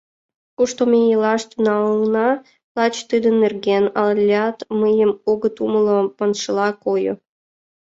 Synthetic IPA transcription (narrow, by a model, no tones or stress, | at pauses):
kuʃt̪omʲejəlɑʃt̪ynɑlnɑ | lˠɑt͡ɕt̪ɨd̪ə̆nːerɡenɑlʲːɑt̪məjəmoɣə̆t̪uməlopənʃə̆lˠɑkojo̰